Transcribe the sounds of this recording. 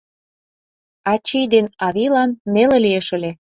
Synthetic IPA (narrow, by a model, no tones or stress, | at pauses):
ɑt͡ɕijd̪enɑβilɑnːelĕlieʃə̆lʲe